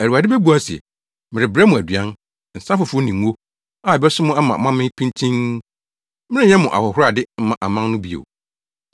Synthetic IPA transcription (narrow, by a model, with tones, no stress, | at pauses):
æ˨ɾu˨wa˨dɪ˦bɛ˦bu˨˦a˦si˨ɛ̰˨ | mɪ̃˨ɾɪ˨bɾɛ˦mʊ̃˨æ˨dɥã˦n˨ | n̩˨sã˦fʊ˨fʊ˦o˦nĩ˨˦o˦ | a˨bɛ˦sʊ˦mʊ̃˦a˦mã̰˨˦mã˦mɪ̃˦pʰĩ˦ntʰĩ˦n | mɪ̃˦nɪ̃˦ɲɛ̃˦mʊ̃˨ʔa̰˨hɔ˨hʊ˦ɾa˨dɪ˦m̩˦mã˨ʔa˨mã˦ŋnʊ̃˦bi˦o̰˨